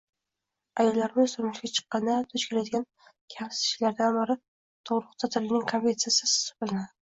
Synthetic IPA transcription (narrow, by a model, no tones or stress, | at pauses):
ajɒlːaɾɪmɪzsʊɾmɪʃɡʲat͡ʃʰɨ̥qːɑnat̪ʰɵt͡ʃkʲʰe̞lad̪ɪɡʲan | kʲʰamsɪ̥sɪ̥ʃlaɾd̪anbɪɾɪ | t̪ʰoʁɾʊqt̪ʰat̪ʰɪlɪnɪŋkʰanʲvʲet̪sijasɪsɪ̥sʊ̥bʊlˠɪnad̪ɪ